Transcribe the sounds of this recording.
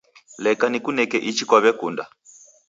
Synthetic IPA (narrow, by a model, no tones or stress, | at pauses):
lɛkanikunɛkɛʔit͡ʃikwaβɛkunda